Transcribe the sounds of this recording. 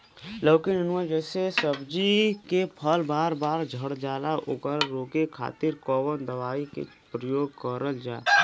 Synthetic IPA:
ləːkɪnənad͡ʒɛːsesəbd͡ʒikepʰəlbaːɾbaːɾd͡ʒʱəɽd͡ʒaːlaʔʊɡəɾɾoːkekʰa̰ːt̪ɪɾkɔːʋənd̪əʋaːikḛ | pɾəjoːɡkəɾəld͡ʒaː

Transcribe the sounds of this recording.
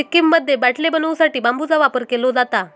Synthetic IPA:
ikːimːəd̪ʱːjebaʈʰlebənʋusaʈiːbambud͡zaʋapəɾkelod͡zat̪a

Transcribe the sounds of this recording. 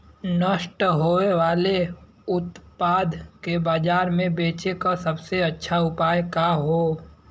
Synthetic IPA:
nəʃʈɦoːeʋaːle | ʊt̪paːd̪kebaːd͡ʒaːɾmẽbeːt͡ʃekasɐbseɐtːʃʰaʊpaːjkaɦoː

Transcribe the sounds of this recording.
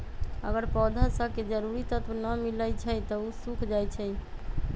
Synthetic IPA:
ə̰ɡəɾpɔd̪ʱasəked͡ʒəɾuɾit̪ət̪wnəmiləjt͡ʃʰət̪ɔusukʰd͡ʒajt͡ʃʰɛ

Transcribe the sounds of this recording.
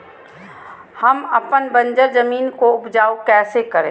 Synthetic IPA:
hɐmɐpənbə̃nd͡ʒəɾzəmiːnkoʊpd͡ʒaːokɛːsekəɾẽː

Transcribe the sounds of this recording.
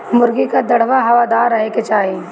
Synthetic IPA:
mʊɾɡikad̪ɐɽ̤ʋaɦɐʋaːd̪aːɾːɐɦeket͡ʃaːɦi

